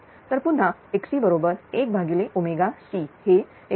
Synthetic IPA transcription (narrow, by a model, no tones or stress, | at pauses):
t̪əɾpun̤ɦaeksiːbəɾobəɾek̚bʱaɡileʔumeɡasihe